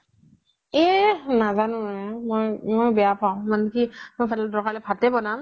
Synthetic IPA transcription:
ɛnazanʊɛmojmojbɛjapʰaʊ̃manɛkimojpʰatldɔkalɛpʰatɛbɔnam

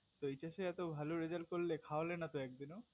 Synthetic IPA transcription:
t̪oit͡ɕaʃeɛt̪obʱaloɾed͡ʑalkolːekʰaolenat̪oɛk̚d̪ino

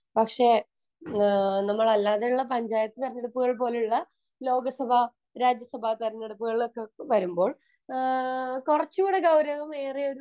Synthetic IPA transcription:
pɐkʂe̞ | nɐmːɐɭɐlːaːðeuɭːɐpɐɲd͡ʑaːjɐt̪ːɨk̪ɐɾɐnːeɽupːɨɣɐɭpo̞ːluɭːɐ | lo̞ːɡɐsɐbʱa | ɾaːd͡ʑjɐsɐbʱaːt̪ɐɾɐnːeɽupːuɣɐɭokːeʋɐɾumbo̞ːɭ | kurɐt͡ɕːuuːɽeɡɐwɾɐʋɐme̞ːrio̞ɾu

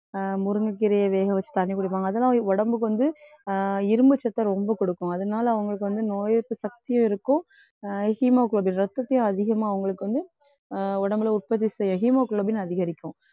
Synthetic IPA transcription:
mʊɾɯŋɡɐkːɪɾɐjɐʋeːɣɐʋɐt͡ʃːɯ̥t̪ɐɳːɪkːʊɽɪpːaːŋɡɐːðɐlːãːɔɽɐmbɯkːɯʋɐnd̪ɯ | ɪɾɯmbɯt͡ʃːɐt̪ːɐɾɔmbɐkɔɽɯkːʊ̃ɐðɐnaːlɐɐʋɐŋɡɐɭɯkːɯʋɐnd̪ɯnoːjɐɾpɯsɐk̚t̪ɪjʊ̃ɪɾɯkːʊ̃ | hiːmaːkɭoːbɪnɾɐt̪ːɐt̪ːɪjʊ̃ɐðɪɣɐmaːɐʋɐŋɡɐɭɯkːɯʋɐnd̪ɯ | ɔɽɐmbɯlɐʊrpɐt̪̬ːisɛjʊ̃ɦiːmaːkɭobɪnɐðɪɣɐɾɪkʲːʊ̃

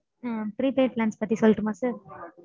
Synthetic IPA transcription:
afɾiːpeːʈ̚laːnspɐt̪ːisɔlːɪʈːɯmãːsɐɾ

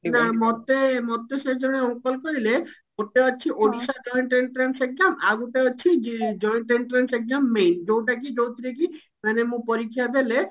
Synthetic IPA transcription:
namɔt̪emɔt̪esed͡ʒɔɽ̃eɔ̃wkɔlkɔɾileɡoʈ̪eɔt͡ʃʰiʔoɖisad͡ʒɔjɳʈɾeɳʈɾanseɡ̚zama̰ɡuʈeɔt͡ʃʰid͡ʒd͡ʒɔjɳʈeɳʈɾenseɡzamːejnd͡ʒowʈ̬ak̬id͡ʒowt̪ʰiɾek̬i | manemũpɔɾikʰːijad̪ele

